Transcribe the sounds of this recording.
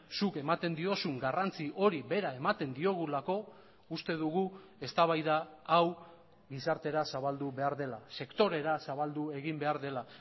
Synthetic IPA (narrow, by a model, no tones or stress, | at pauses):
suke̞mat̪e̞nd̪io̞suŋɡarant͡siʔo̞ɾiβe̞ɾae̞mat̪e̞nd̪io̞ɣ̞ulako̞ | ust̪e̞ðuɣ̞u | e̞st̪aβ̞ajðaːw | ɣisaɾt̪e̞ɾasaβald̪uβe̞aɾðe̞lase̞kt̪o̞ɾe̞ɾasaβald̪ue̞ɣimbe̞aɾðe̞la